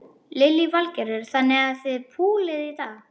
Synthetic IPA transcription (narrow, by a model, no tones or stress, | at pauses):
lɪlːivalcɛɾɛɾ̥θanːɪɣaðθvɪðpʰuːlɪðiθaɣ